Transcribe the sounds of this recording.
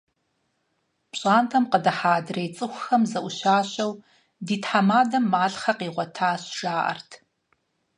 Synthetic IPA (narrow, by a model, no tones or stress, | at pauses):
pɕʼaːntʰɐmqədɐħaːdrejt͡sʼɨxʷxɐmzɐʔʷʊʃaːɕɐw | diːtʰħamaːdɐmːaːɮχɐqiːʁʷɔtʰaːɕʒ̥aːʔɐ̰rtʰ